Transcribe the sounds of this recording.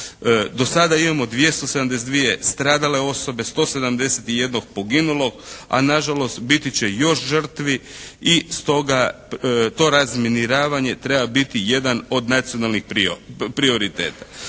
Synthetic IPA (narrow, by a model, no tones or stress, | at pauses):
d̪o̞sad̪aimamo̞d̪ʋje̞st̪o̞sed̪amd̪es̬d̪ʋijest̪ɾaːd̪ale̞o̞so̞be̞st̪o̞ːse̞d̪amd̪e̞set̪ije̞d̪no̞ɡ̚po̞ɡinulo̞ɡa̰naʒalo̞st̪bit̪it͡ɕe̞jo̞ʃʒr̩t̪ʋiist̪o̞ɡa | t̪o̞ɾazminiɾaːʋaɲe̞t̪ɾe̞babit̪ije̞d̪ano̞d̪nat̪sijonalˠnixpipɾio̞ɾit̪e̞̰ːt̪ḁ